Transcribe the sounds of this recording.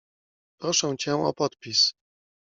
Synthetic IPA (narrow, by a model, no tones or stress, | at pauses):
pɾɔʂɛ̃w̃t͡ɕɛw̃ɔ̰pɔt̪̚pʲis